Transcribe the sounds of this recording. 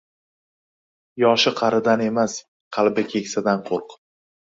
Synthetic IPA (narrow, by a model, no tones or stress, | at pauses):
jɒʃɪqʰɑɾɪd̪ane̞mas | qʰɑlˠbɪkʲʰe̞kʲsad̪anqʰoɾq